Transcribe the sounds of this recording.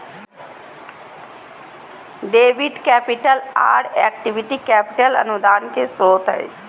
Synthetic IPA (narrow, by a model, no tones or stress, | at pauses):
ɖeːʋiɖkɛːpiʈəla̰ːɖɛ̰ːkʈiʋiʈikɛːpɪʈələ̰nud̪aːnkesɾoːt̪ɦə̰